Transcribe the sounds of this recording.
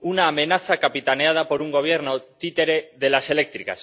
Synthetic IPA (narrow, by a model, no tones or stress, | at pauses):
unaːmẽ̞naθakapit̪aneað̞apo̞ɾuŋɡo̞β̞je̞ɾno̞t̪it̪e̞ɾe̞ðe̞lase̞le̞k̚t̪ɾika̰s